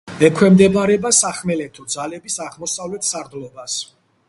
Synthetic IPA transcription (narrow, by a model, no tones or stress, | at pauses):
ɛkʰwɛmd̪ɛbaɾɛbasaχmɛlɛt̪ʰɔd̪zalɛbisaʁmɔsavlɛt̪ʰsaɾd̪lɔbas